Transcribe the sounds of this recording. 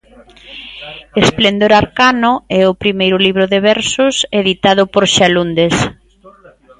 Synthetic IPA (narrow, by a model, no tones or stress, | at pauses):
esplend̪oɾaɾkanʊɛʊpɾimejɾʊliβɾʊðeβɛɾsʊseðit̪að̞ʊpoɾʃalund̪es